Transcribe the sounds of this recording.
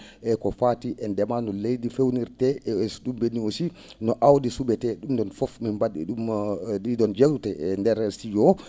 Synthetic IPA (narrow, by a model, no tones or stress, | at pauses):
ʔɛkɔfatiʔɛndɛmanɔlejɗifewniɾtɛɛsɗumbenːiosi | nɔʔawdisubɛtɛɗumdɔnfɔfmimbaɗḭɗumɗidɔnd͡ʒewtɛɛndɛɾɛsijɔ